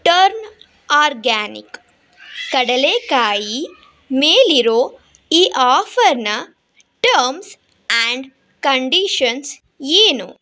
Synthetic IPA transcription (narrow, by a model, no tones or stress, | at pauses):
ʈɐɾn | aːɾɡaːnḭk | kɐɽɐleːkaːji | meːliɾoː | iːʔaːfɐɾnɐ | ʈɐɾms | aɳɖ | kɐɳɖiʃɐns | eːnṵ